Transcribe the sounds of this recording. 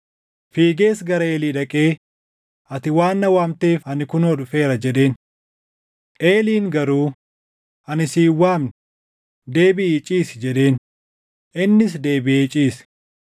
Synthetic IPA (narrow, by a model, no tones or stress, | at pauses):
fiːɡe̞ːsɡɐɾɐeːliːᶑɐkʼe̞ː | ʔɐt̪ɪwaːnːɐwaːmt̪eːfɐnɪkʊnoːᶑʊfe̞ːɾɐd͡ʒɛᶑe̞ːn | ʔeːliːŋɡɐɾuː | ɐnɪsiːwːaːmnɪ | d̪e̞ːbɪt͡ʃʼiːsɪd͡ʒɛᶑe̞ːn | ʔɪnːɪs̬d̪e̞ːbɪeːt͡ʃʼiːs